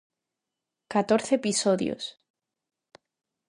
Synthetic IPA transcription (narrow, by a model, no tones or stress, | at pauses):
kat̪oɾθeːpisoðj̰o̰s